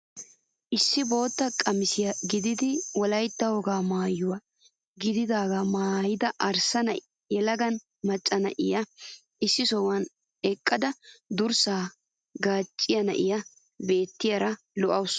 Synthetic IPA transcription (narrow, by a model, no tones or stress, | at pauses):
ʔɪsːɪbo̞ːt̪ːɐkʼɐmɪsɪjɐɡɪd̪ɪd̪ɪwɔlɐjt̪ːɐwɔɡaːmaːjʊwɐ | ɡɪd̪ɪd̪aːɡɐmaːjɪd̪ɐʔɐɾsɐnɐʔɪ | jɛlɐɡɐn | mɐt͡ʃʼːɐnɐ̰ʔɪjɐ | ɪsːɪsɔwɐn | ɛkʼːɐd̪ɐd̪ʊɾsaː | ɡaːt͡ʃʼːɪjɐnɐ̰ʔɪjɐ | be̞ːt̪ːɪjɐɾɐ | lɔʔɐws